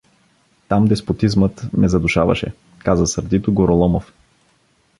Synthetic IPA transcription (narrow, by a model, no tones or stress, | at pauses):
t̪amd̪ɛspot̪izmət̪mɛzɐd̪uʃavɐ̰ʃɛ̰ | kazəsəɾd̪it̪ʊɡoɾolˠɔmof